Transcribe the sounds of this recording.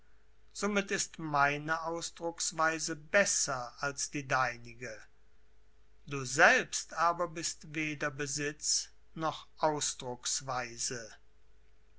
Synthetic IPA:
z̥oːmɪtɪstmaɪnəʔaʊsd̥ʁʊksv̥aɪzəbɛsɐalsd̥iːdaɪnɪɡə | d̥uːzɛlpstʔaːbɐbɪstveːdɐbəzɪt͡s | nɔχʔaʊsd̥ʁʊksv̥aɪzə

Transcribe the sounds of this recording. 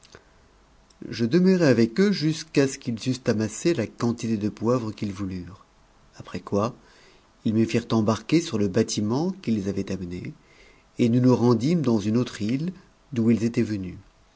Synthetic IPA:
ʒəd̪əməʁeavɛkøʒyskasə̥kilzyst̪amaselakɑ̃t̪it̪ed̪əpwavʁəkilvulyʁ | apχɛkwa | ilməfiʁt̪ɑ̃baʁkʲesyʁləbat̪ʰimɑ̃kilezavɛt̪amne | enunuʁɑ̃d̪imd̪ɑ̃zynot̪χil | d̪uilzet̪ɛvəny

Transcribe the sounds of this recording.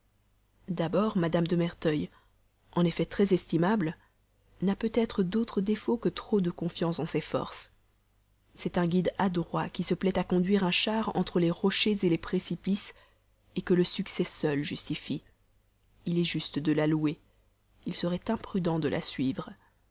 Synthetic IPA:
d̪abɔːʁmad̪amd̪əmɛʁt̪œj | ɑ̃nefɛt̪χɛzɛst̪imabl | napøt̪ɛt̪χəd̪ot̪χəd̪efokət̪χod̪əkɔ̃fjɑ̃sɑ̃sɛfɔ̰ʁs | sɛt̪ɛ̃ɡʲid̪ad̪ʁwakʲisəplɛt̪akɔ̃d̪ɥiʁɛ̃ʃaʁɑ̰̃t̪χəleʁɔʃezelepχesipis | ekələsyksɛsœlʒyst̪ifi | ilɛʒyst̪əd̪əlalue | ilsəʁɛt̪ɛ̃pχyd̪ɑ̃d̪əlʔa̰sɥiːvʁə

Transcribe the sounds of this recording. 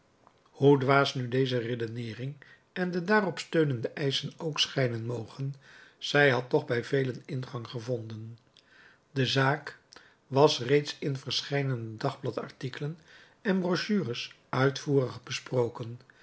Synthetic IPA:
hudʋaːsnydejzəredənɪːrɪŋ | ɛndədaːrɔpstøɥnəndəʔɛjsənowksχɛjnənmowχən | z̥ɛjɦɑtːɔχbɛjvejlənɪnχɑŋχəvɔndən | dəzaːk | ʋɑsrejtsɪnvəɹsχɛjdəndɑχblɑtɑ̰ɹtikələn | ɛnbrɔʃyːrəs | œɥtfuːrəχbəsprowkən

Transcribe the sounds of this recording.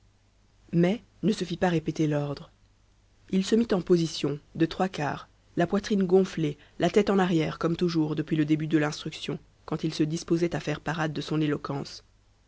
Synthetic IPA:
mɛ | nəsəfipaʁepet̪elɔʁd̪ʁ | ilsəmit̪ɑ̃pozisjɔ̃d̪ət̪χwaka̰ːʁ | lapwat̪χinɡɔ̃fle | lat̪ɛt̪ɑ̃naʁjɛʁkɔmt̪uʒuːʁd̪əpɥiləd̪ebyd̪əlɛ̃st̪χyksjɔ̃ | kɑ̃t̪ilsəd̪ispozɛt̪afɛʁpaʁad̪ːəsɔ̃nelɔkɑ̃s

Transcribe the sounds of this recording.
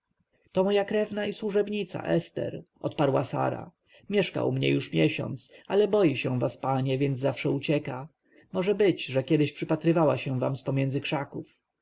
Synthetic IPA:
t̪ɔmɔjakɾɛvnaiswuʐɛbɲit̪sa̰ʔɛst̪ɛ̰ɾʔɔt̪paɾwasa̰ɾa̰ | mʲjɛʂka̰ṵmɲɛ̰juʂmʲjɛɕɔ̰nt̪salɛbɔjiɕɛ̃vaspaɲɛvʲjɛnd̪zzafʂɛut͡ɕɛka | mɔʐɛbɘd͡ʑʐɛkʲjɛd̪ɪɕpʂɘpat̪ɾɘvawaɕɛ̃va̰mspɔmʲjɛnd̪zɘkʂakuf

